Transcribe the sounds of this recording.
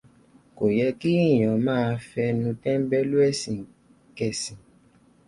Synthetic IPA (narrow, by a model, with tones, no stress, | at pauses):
ko˨jɛ˧ki˦˨j̃ɔ̃˨mãː˦˧fɛ˧nũ˧tɛ̃˦m˦bɛ˦lu˦ɛ˦˨sĩ˨ | kɛ˨sĩ˨